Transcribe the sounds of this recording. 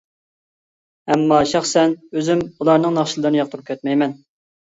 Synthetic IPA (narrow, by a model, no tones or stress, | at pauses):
ɛmːɑʃɑχsɛnøzɪmulˠɑɾnɨŋnɑχʃilˠəɾnɨjɑq̚t̪ʰəɾp̚kʲʰøt̪̚mɛjmɛn